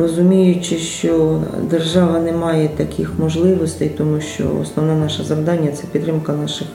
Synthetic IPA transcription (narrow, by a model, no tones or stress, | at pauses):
rɔzʊmʲijʊt͡ʃɪʃt͡ʃɔd̪erʒɑʋɐnɛmɑjɛt̪ɐkʲʰɪxmɔʒlˠɪʋɔst̪ɛjt̪ɔmuʃt͡ʃɔ̰ɔ̰snɔʋnɛnɑʃɐzɐʋd̪ɑnʲːɐt̪sɛpʲit̪ːɾɪmkɐnɑʃɪx